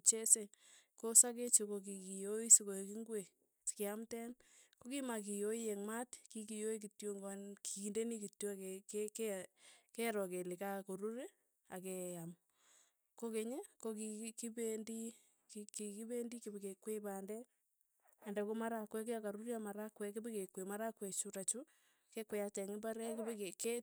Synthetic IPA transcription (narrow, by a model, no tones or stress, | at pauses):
t͡ʃesekosaket͡ʃekok̬ikijoisikokiŋɡwe | skeamtɛnkokimak̬ijoijɛŋmatkikijoik̬itjoŋɡnkiindenikitjokekk | kɛɾɔkelɪkakoɾuɾe | akɛam | kokeɲekokikibendi | kkikibendikibekekwepandɛ | ɛndɛkomaɾakwɛk̬eakaɾuɾjamaɾakwɛkɪbekekwemaɾakwɛt͡ʃuɾat͡ʃu | kekwɛjatɛŋɪbaɾɛkibekeke